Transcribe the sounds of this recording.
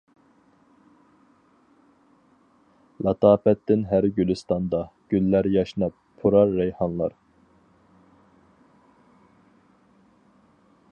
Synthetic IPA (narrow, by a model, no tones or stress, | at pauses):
lʔɑt̪ʰɑːpɛt̪ːɪnɦæɾɡʲylɪst̪ɑnd̪ɑɡ̥ʲylːæɾjɑʃnɑp̚ʰːuɾɑɾːɛjhɑnlˠɑ̰ɾ